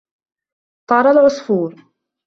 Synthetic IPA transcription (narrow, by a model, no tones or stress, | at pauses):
t̪ˤɑɾˤalʕʊsˤfuːɾ